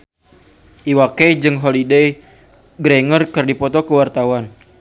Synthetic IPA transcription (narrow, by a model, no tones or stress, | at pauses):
ʔiwakɛd͡ʒɨŋɦolidej | ɡɾɛŋərkɨrdipɔt̪ɔkəwart̪awan